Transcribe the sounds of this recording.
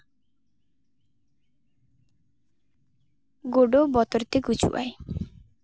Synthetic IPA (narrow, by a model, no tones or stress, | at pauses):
ɡoɖobɔt̪ɔɾt̪eɡut͡ʃṵʔa̰j